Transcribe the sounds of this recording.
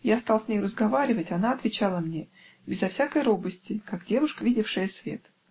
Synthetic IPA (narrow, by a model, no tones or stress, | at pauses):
jast̪ɑlˠsʲnʲejrəzɡɐvaɾʲɪvətʲɐnaɐt̪vʲɪt͡ɕalˠəmnʲe̞ | bʲɪzɐfsʲakəjɾo̞bəsʲtʲɪkaɡdʲe̞vʊʂkəvʲidʲɪfʂɨjəsvʲe̞̰t̪